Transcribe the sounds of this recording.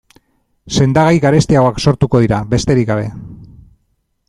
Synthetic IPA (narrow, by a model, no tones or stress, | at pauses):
se̞nd̪aɣajɣaɾe̞st̪iaɣo̞akso̞ɾt̪uko̞ð̞iɾaβe̞st̪e̞ɾikɡaβe̞